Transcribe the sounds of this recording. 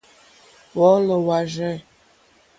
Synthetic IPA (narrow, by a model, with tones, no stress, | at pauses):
wɔ˨˦lə˨wa˨ʒɛ̃˦˨